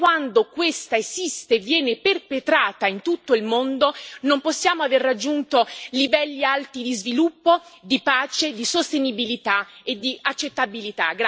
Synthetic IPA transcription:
wand̪okwest̪aezist̪evjɛːneperpet̪ɾaːt̪aint̪ut̪ːoilmond̪onomposːjaːmoaverːad͡ʒːunt̪olivɛlːialt̪id̪izvilupːod̪ipaːt͡ʃed̪isost̪enibilit̪aed̪ːiʔat͡ʃːet̪ːabilit̪a̰ɡɾ

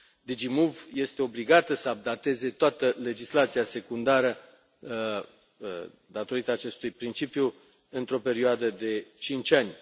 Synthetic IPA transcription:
d̪id͡ʒimuvje̞st̪e̞o̞bliɡat̪əsəab̚d̪at̪e̞ze̞t̪oat̪əle̞d͡ʒislat̪siase̞kund̪aɾə | d̪at̪o̞ɾit̪əaːt͡ʃe̞st̪ujpɾint͡ʃipju | ɨnt̪ɾo̞pe̞ɾioad̪əd̪e̞t͡ʃint͡ʃʲanʲ

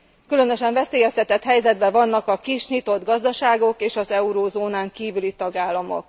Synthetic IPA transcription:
kylø̞nø̞ʃɛɱvɛseːjɛst̪ɛt̪ɛt̪hɛjzɛd̪bɛvɒnːɒkɒkiʃɲit̪o̞d̪ɡɒzd̪ɒʃaːɡo̞keːʃɒzɛuɾoːzoːnaːŋkiːvylit̪ɒɡaːlːɒmo̞̰k

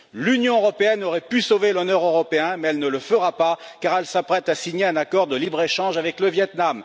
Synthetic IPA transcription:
lynjɔ̃øʁɔpeɛnɔʁɛpysovelɔnœʁøʁɔpeɛ̃mɛɛlnələfəʁapakaʁɛlsapχɛt̪asiɲeɛ̃nakɔʁd̪əlibʁeʃɑ̃ʒavɛkləvjɛt̪nam

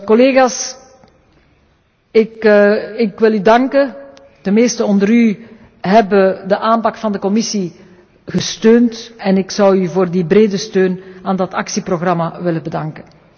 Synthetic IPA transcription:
kɔleːɣaːs | ɪkɪkʋɪlydɑŋkə | d̥əmeːstəɔndəɾy | ɦɛbədəʔaːmpɑkfɑndəkɔmɪsi | ɣəstøːntɛnɪksɑwyvoːrdibreːdəstøːnaːndɑtɑksiproɣrɑmaʋɪlənbədɑŋkən

